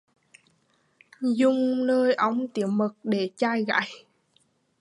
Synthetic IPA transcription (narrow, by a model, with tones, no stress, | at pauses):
zʊ˧ŋ͡mnəː˧jʔə˧wŋ͡mt̪i˧˩əwmə˨˩k̚ɗe˧˩t͡ɕaː˧jɣa̰ː˧˥˨j